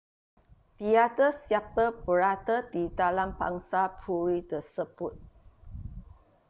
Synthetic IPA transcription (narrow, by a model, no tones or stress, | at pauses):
t̪iadəsiap̚əbəɾat̪ədidalamba̰ŋsapʰuɾit̪əsəb̥ʊt̪̚